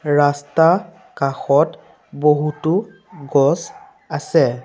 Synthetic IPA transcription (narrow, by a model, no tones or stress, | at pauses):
ɹasta | kaxɔt | boɦutʊ | ɡɔs | asɛ